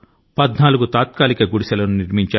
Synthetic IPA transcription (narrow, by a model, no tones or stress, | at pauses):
pɐd̪naːluɡut̪aːt̪̚kaːlikɐɡuɽisɐlɐnuniɾmiɲt͡ʃaː